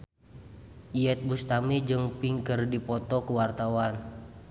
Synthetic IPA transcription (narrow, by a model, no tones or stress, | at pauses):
iɛt̪̚bust̪amid͡ʒɨŋpiŋkərdipɔt̪ɔkəwart̪awan